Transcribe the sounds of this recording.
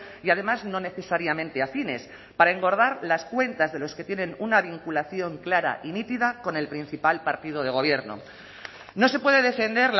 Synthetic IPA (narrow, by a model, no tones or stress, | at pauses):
iað̞e̞mazno̞ne̞θe̞saɾjamẽnt̪e̞afine̞s | paɾae̞ŋɡo̞ɾð̞aɾlaskwe̞nt̪azðe̞lo̞ske̞t̪je̞nẽ̞nunaβ̞iŋkulaθjo̞ŋklaɾa̰ʔinit̪iðako̞ne̞lpɾin̟θipalpaɾt̪ið̞o̞ðe̞ɣ̞o̞β̞je̞ɾno̞̰ | no̞se̞pwe̞ðe̞ðe̞fe̞nd̪e̞ɾl